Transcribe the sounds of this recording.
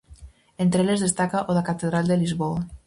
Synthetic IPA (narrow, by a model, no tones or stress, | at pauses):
ent̪ɾelezðest̪akaʔoðakat̪eðɾalˠd̪elizβoa